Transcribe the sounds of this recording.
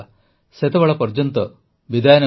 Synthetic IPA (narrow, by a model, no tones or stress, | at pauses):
set̪ɐʋɐɭɐpɐɾd͡ʒɐnt̪ɔ | ʋid̪ʱaːjnɐ